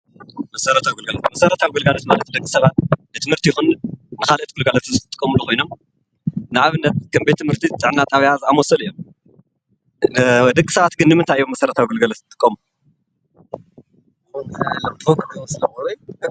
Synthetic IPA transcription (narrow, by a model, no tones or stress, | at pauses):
mɐsɐɾɐt̪ʰawɡulɡɐalot̪mɐsɐɾɐt̪ʰawiɡɨlɡalot̪malɐt̪ʰid̪ɐkʼːisɐβat̪bɨt̪ʰɨmhɨɾt̪ʰijɪxunːɨkalʔɐt̪̚ɡ̥ulɡalot̪zɨkɨt̪ʼɨ̥kʼːɐmulukʰo̞jnom | nɨʕaβɨnːɐt̪̚kʰɐmbet̪ʰːɨmhɨɾt̪ʰit̪ʼɨʕnat̪ʼaβiʕazɨamɔsɐlɨjːom | d̪ɐkʼisɐβat̪ɡɨnːɨmɨnt̪ʰajjomɐsɐɾɐt̪ʰawiɡulɡɐlot̪t̪ʼːɨ̥kʼːɐmu | lɐmokʰɨɐsɨlɐmɐɾ